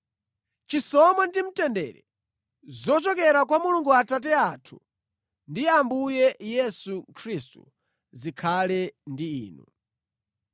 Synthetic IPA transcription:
t͡ʃisɔmandim̩tɛndɛ̰ɾɛ | zɔt͡ʃɔkɛɾak̬wamuluŋɡuatat̬ɛatʰu̥ | ndiambujɛjɛsukʰɾistṵ | zikʰalɛndiḭːnṵ

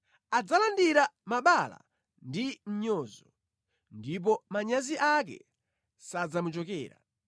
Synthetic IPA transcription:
ad͡zalandiɾamaɓala̰ | ndim̩ɲɔːzɔ | ndip̬ɔmaɲaziʔak̬ɛ̰ | sad͡zamut͡ʃɔkɛ̰ːɾa̰

